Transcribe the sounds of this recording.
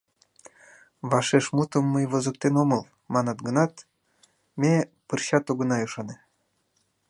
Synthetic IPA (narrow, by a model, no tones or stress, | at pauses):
βɑʃeʃmut̪ə̆mːəjβozə̆k̚t̪enomɤlˠ | mɑnɑt̪ɡə̆nɑt̪ | mʲepərɕɑt̪oɣə̆nɑuʃɑne